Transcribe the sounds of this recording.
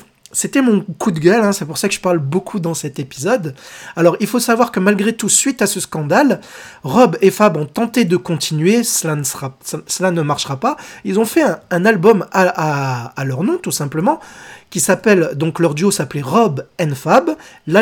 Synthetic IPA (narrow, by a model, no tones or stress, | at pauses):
set̪ɛmɔ̃kud̪ɡʲœlɛ̃sɛpuʁsakəʒəpaʁlbokʰud̪ɑ̃sɛt̪epizɔd̪alɔʁilfosavwaʁkəmalɡʁet̪usɥit̪asəskɑ̃d̪alʁɔbefabɔ̃t̪ɑ̃t̪ed̪əkɔ̃t̪ʰinɥesəlansʁasəlanəmaʁʃʁapailzɔ̃fɛɛ̃ɛ̃nalbɔmaʔaːlœʁnɔ̃t̪usɛ̃pləmɑ̃kʲisapɛld̪ɔ̃klœʁd̪yosapleʁɔbɛnfabl